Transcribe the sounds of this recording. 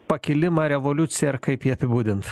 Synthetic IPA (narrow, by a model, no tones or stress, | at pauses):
pɐkʲɪlʲɪmɑːɾʲɛʋolʲʊt̪sʲɪjɛɪɾkɐɪpjiɐpʲɪbuːd̪ʲɪnt̪